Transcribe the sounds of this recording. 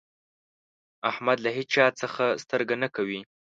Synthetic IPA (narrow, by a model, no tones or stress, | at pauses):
ahmad̪laɦet͡ʃɑt͡səxast̪əɾɡanakawi